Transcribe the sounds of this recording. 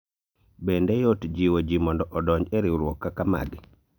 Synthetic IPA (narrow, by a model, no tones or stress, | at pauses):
bendejotd͡ʒiwod͡ʒimɔndɔʔɔdɔɲd͡ʒeɾiɾwɔkːakama̰ɡi